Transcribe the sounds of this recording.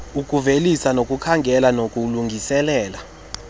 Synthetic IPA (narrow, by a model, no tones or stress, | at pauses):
ukʼuvelisanokʼukʰaŋɡʱɛlanokʼuluŋɡʱisɛlɛːla